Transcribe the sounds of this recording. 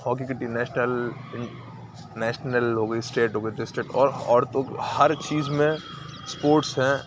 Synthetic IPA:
hɔːk̬ikɪʈːinɛːʃnəl | nɛːʃnəlɦoːɡəisʈeːʈɦoːɡəidɪsʈɾek̚ʈɔːɾɔ̰ːɾt̪õkhɐɾt͡ʃiːzmẽ | spoːɾʈsɦɛ̃

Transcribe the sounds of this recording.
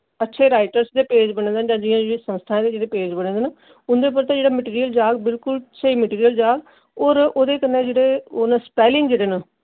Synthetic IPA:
ətːʃʰeːɾaːɪʈəɾsd̪eːpeːd͡ʒbəɽ̃ẽːd̪ənd͡ʒãːd͡ʒijãːd͡ʒeesə̃st̪ʰãːd̪eːd͡ʒeːɽeːpeːd͡ʒbəɽẽːd̪en | ʊnd̪eːp̬əɾt̪ãːd͡ʒeːɽaːməʈiːɾijəld͡ʒaːɡbɪlkʊlt͡ʃʰeiːməʈiːɾijəld͡ʒaːɡ | ɔːɾoːd̪eːkənːeːd͡ʒeːɽeːonəspɛːlɪ̃ŋɡd͡ʒeːɽeːn

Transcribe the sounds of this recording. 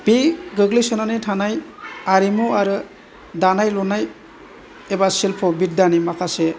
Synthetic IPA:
b̥iɡɯɡlisɔnanɯjtʰanajaɾimuaɾɯ | danajlɔnaj | ebasilpʰɔbit̚danimakʰase

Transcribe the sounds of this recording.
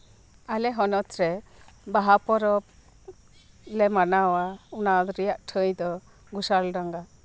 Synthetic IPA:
alɛɦɔnɔt̪ɾɛ | baɦapɔɾɔ | lɛmanawaunad̪ɔɾijaʔʈʰəjd̪ɔ | ɡusalɖaŋɡa

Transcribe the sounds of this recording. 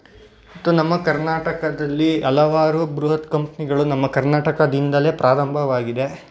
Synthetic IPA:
ɐt̪ːunɐmːɐkɐɾnaːʈɐkɐd̪ɐlːiɐlɐʋaːɾubɾuɦɐt̪kɐmpɐniɡɐɭunɐmːɐkɐɾnaːʈɐkɐd̪ind̪ɐle̞ːpɾʔaːɾɐmbʱɐʋaːɡid̪e̞

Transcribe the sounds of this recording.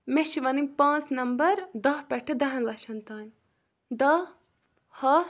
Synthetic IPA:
meʃiʋɐnimʲpãːt͡snɐmbɐɾd̪ɐɦpɐʈʰɐd̪ɐɦɐ̃nlɐʃɐnt̪aːnʲ | d̪ɐ | hɐ

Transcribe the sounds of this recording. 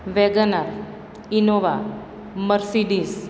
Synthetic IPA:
ʋɛɡənaɾ | inoʋa | məɾsiɖis

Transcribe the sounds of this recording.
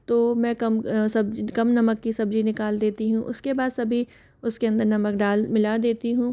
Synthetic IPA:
t̪oːmɛ̃ːkɐmsɐbkɐmnɐməkːisɐbd͡ʒinɪkaːld̪eːt̪iɦũʔʊskebaːd̪sɐbʱi | ʊskeɐ̃nd̪əɾnɐmək̚ɖaːlmɪlad̪eːt̪iɦũː

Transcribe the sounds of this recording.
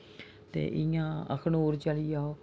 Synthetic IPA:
t̪ḛːʔɪjãːə̰kʰnoːɾt͡ʃəlijaːoː

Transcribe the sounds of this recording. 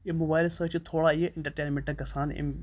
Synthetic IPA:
emʊbaːjlsəːt͡ʃt̪ʰoːɽaieɪ̃ɳʈɐɾʈeːnmẽɳʈɐkɐsaːnḭ

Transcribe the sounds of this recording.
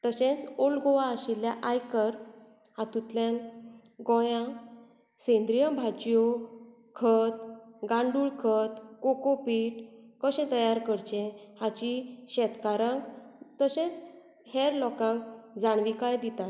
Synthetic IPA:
t̪əɕẽt͡solɡoʋaəɕilːjaʔajkəɾ | hat̪ut̪ljan | ɡɔjã | sẽnd̪ɾijəbʱat͡ɕjo | kʰət̪ɡãɳɖuːɭkʰət̪kokopiːʈkəɕẽt̪əjaɾkəɾt͡ɕẽhãt͡ɕiɕɛt̪kaɾãŋkt̪əɕẽt͡s | hɛɾlɔkãŋkd͡zaɳʋikajd̪it̪at̪

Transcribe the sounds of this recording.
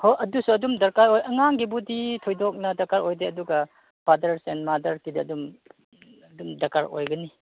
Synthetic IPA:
hojɐdusuɐdumdɐɾkaɾojɐŋaŋɡibuditʰojdɔk̚nɐdɐkaɾojdeɐduɡɐ | padɐɾsenmadɐɾtidɐːdum | dumdɐkaɾo̰jɡɐni

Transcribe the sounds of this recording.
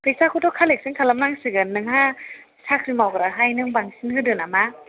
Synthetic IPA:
pɯjsakʰɔtʰɔkʰalek̚sɯŋkʰalamnaŋsɯɡɯnːɯŋɦa | sakʰɾimawɡɾaɦajnɯŋbaŋsinhɯdɯnama

